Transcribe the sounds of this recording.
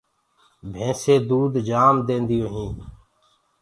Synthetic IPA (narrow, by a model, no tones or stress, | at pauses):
bʱẽːseːd̪uːd̪d͡ʒaːmd̪ẽːnd̪ɪjõːɦĩː